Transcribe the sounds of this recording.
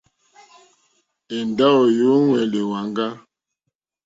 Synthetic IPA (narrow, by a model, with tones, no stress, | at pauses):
e˨nda˦ɔ˨jo˨˦ŋwɛ˨le˨wa˨ŋɡa˦